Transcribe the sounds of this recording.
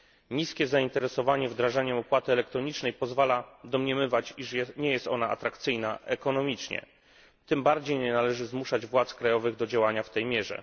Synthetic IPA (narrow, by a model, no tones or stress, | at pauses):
ɲiskʲɛzaint̪ɛɾɛsɔvaɲɛvd̪ɾaʐaɲɛɔpwat̪ɘɛlɛkt̪ɾɔɲit͡ʂnɛjpɔzvalad̪ɔmɲɛmɘvat͡ɕiʂɛɲɛjɛst̪ɔnaa̰t̪ɾakt̪sɘjnaʔɛkɔnɔmʲit͡ʂɲɛ̰ | t̪ɘmbaɾd͡ʑejɲɛnalɛʐɘzmuʂad͡ʑvwat̪skɾajɔvɘɣd̪ɔd͡ʑawaɲaft̪ɛjmʲjɛʐɛ̰